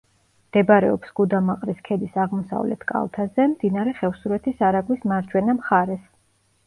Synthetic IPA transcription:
md̪̥ɛbɾɛ̰ɔpsɡ̥ud̪amaqʼɾiskʰɛd̪isaʁmɔsa̰vlɛ̰t̪ʰkʼa̰lˠt̪ʰazɛmd̪inaɾɛχɛfsuɾɛt̪ʰisaɾaɡwismaɾd͡ʒwɛnamχaɾɛs

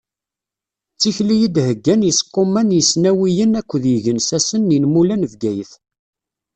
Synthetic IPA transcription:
t͡sːiçlijid̪həɡːænjəsqːomænjəsnæwijənækʷːðjəʝənsæsənːinmulænəvɡæjəθ

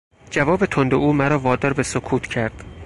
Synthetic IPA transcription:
d͡ʒævɒːbet̪ʰond̪oʔuːmæɾɒːvɒːd̪ɒːɾbesokʰuːt̪ʰcʰæɾd̪̥

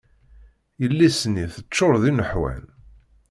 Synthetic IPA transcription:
jəlːisniθət͡ʃːʊɾðinəħwæ̰n

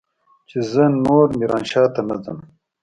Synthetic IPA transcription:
t͡ʃezənoːɾmiɾɑːnʃɑːt̪ɐnɐd͡zɐn

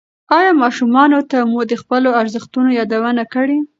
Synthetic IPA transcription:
ɑjɑmɑʃumɑnot̪amud̪əxpəloaɾzəxt̪unojɑd̪awənakəɽi

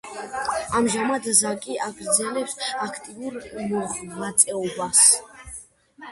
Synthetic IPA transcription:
amʒamad̪zakʼiʔaɡɾd̪zɛlɛpsakʰt̪ʼivuɾmɔmat̪sʼɛɔbas

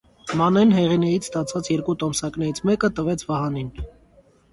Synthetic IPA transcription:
mɑnɛnɦɛʁinɛjit͡sʰst̪ɑt͡sʰvɑt͡sjɛɾkut̪ɔmsɑknɛɾit͡sʰmɛkət̪əvɛt͡sʰvɑhɑnin

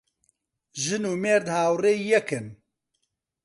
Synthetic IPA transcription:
ʒɨnuːmeːɾd̪haːwreːjɛkɨn

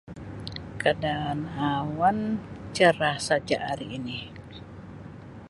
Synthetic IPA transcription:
kadaːnawant͡ʃəɾahsad͡ʒa̰ʔaɾiːni

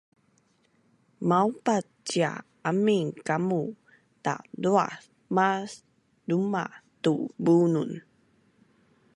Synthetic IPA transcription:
maupatt͡ɕia̰ | amiŋkamu | ta̰ʔdua̰ | mas | dumatubunun

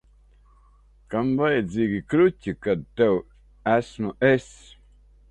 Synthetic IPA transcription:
kamvajziːɡikɾucʲikad̪̚t̪ɛw | æsmuʔes

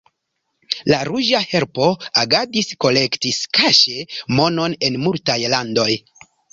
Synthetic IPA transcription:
laɾuʒahe̞ɾpo̞aɡadisko̞le̞ktiskaʃemo̞no̞ne̞nmultajlando̞j

